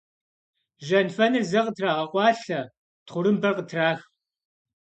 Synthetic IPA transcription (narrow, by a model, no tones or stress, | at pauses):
ʒɐnfɐnɨrzɐqətʰraːʁɐqʷɑːɬɐ | tχʷʊɾɨmbɐrqətʰraːx